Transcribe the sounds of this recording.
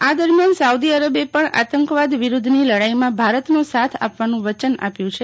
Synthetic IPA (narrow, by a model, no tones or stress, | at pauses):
ad̪əɾmjansaud̪iəɾəbepəɳa̰t̪əŋkʋad̪ʋiɾud̪ʱniləɽaimãbʱaɾət̪nosat̪ʰa̰pʋanũʋət͡ʃəna̰pjũt͡ʃʰe